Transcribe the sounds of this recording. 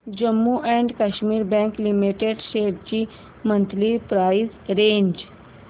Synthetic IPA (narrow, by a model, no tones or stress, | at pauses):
d͡ʒəmːuʔɛ̃ɳɖkaʃmiːɾbɛ̃ŋklimiʈeɖʃeːb̚t͡ʃi | mə̃nt̪lipɾaːizɾẽːɲd͡ʒ